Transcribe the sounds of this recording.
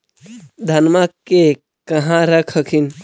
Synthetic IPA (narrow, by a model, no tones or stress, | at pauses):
d̪ʱɐnmakːe | kəɦãɾəkʰəkʰin